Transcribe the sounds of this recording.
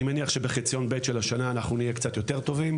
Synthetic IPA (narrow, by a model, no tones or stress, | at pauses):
imeniaχʃe̞beχit͡sjo̞nbe̞t̪ʃelaʃanaːnaχnunijekt͡sat̪jo̞te̞ʁt̪o̞vim